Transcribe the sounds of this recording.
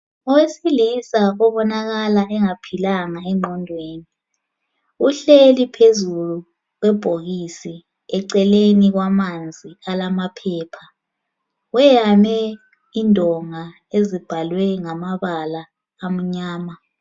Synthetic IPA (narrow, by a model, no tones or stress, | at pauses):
ɔwesilisaɔβɔnaɣalaɛŋapʰilaŋaɛŋ͡ǃʱɔndʱweːni | uɬelipʰezulu | ɣwɛb̥ʱoɣisi | ɛǀɛleniɣwamand͡zʱialamapʰɛːpʰa | wɛjamɛ | indʱɔŋa | ezib̥ʱalwɛŋamaβalaː | m̩ɲaːma